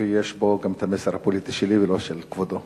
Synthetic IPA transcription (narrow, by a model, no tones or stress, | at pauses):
ejeʃbo̞ɡamet̪ameseʁhapolit̪iʃelivelo̞ʃelkvod̪o